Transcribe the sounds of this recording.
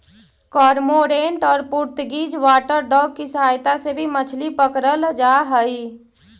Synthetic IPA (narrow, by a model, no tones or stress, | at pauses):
kɔɾmoɾeɳʈɔːɾpuɾt̪ɡid͡ʒʋaːʈəɾɖɔːɡ̚kisəɦaːjt̪asebʱimət͡ʃʰlipəkɾəld͡ʒaɦəi